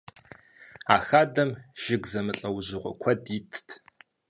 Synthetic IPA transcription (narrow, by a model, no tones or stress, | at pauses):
aːxaːdɐmʒ̥ɪɡzɐmɨɬʼɐwʑɪʁʷɔ̰kʷʰɐdiːtʰtʰ